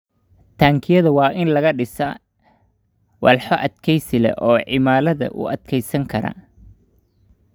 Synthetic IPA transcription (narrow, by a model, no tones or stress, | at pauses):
t̪ʰaːŋkʰɪjɐðɐwɑːʔɪnlɐɣɐɖɪsɐ | wɐ̰lħɔʔɐd̪kʰɛjsɪlɛ̰ʔɔːʕɪmaːlɐðɐ̰ʔʊ̰ʔɐd̪kʰɛjsɐŋkʰɐɾɐ̰